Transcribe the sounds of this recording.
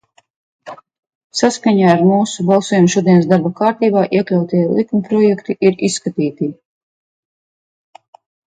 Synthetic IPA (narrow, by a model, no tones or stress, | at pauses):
saskaɲaːɾmuːsubɑlˠsuɔjumʃuɔd̪iɛnsd̪aɾbakaːɾt̪iːbaːʔiɛklʲawt̪iɛlˠikumpɾɔjɛkt̪iʔiɾisːkat̪iːt̪i